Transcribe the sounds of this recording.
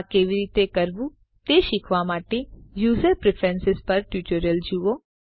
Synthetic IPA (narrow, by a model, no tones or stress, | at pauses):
keʋiɾit̪ekəɾʋũ | t̪eʃɪkʰʋamaʈejuːzəɾpɾɪfʰɾɛnsɪzpəɾʈjuʈəɾəld͡ʒuʋo